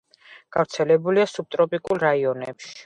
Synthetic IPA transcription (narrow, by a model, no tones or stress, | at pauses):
ɡ̥aɾt̪sʰɛlɛbuliasub̚t̪ʼɾɔpʼikʼulˠɾaiɔnɛpʃi̥